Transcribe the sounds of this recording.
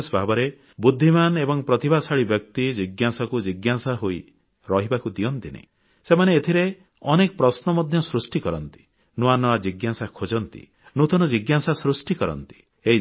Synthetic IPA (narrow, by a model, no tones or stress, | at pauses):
sbʱabɔɾe | bud̪ʱːimanebɔŋpɾɔt̪ibasaɭibjɔk̚t̪id͡ʒiɡjasɔkud͡ʒiɡjasaɦoi | ɾɔɦibakud̪iɔnt̪inḛ | semaneːt̪ʰiɾe | ɔnekɔpɾɔsnɔmɔd̪ʱjɔsɾusʈikɔɾɔnt̪i̥ | nuanɔad͡ʒiɡjasakʰod͡ʒɔnt̪ḭ | nut̪ɔnɔd͡ʒiɡjasasɾusʈikɔɾɔ̰nt̪i̥ | ei